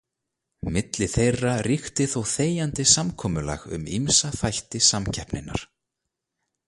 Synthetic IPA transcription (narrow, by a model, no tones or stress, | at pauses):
mɪt̪lɪθejrːarixt̪ɪθowθeːjant̪ɪsamkʰɔːmʏla̰ɣʏ̰mḭmsaθajht̪ɪsamcʰɛhpnɪnːa̰ɾ̥